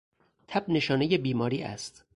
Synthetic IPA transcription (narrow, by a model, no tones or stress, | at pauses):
t̪ʰæbne̞ʃɒːne̞je̞biːmɒːɾiːʔæ̰st̪